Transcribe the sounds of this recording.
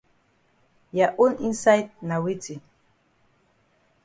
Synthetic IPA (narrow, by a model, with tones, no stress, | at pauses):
ja˨ʔo˦ni˦nsa˦jd̚na˨wi˦tʰi˨